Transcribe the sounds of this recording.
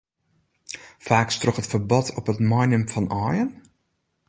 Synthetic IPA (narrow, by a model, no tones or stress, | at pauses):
faːkstrɔχətfərbɔtʰɔpətmɔjnəmfɔnʔɔːjən